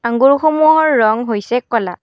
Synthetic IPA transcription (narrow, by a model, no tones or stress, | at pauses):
aŋɡuɹxomuɦɔɹːɔŋɦojsɛkɔla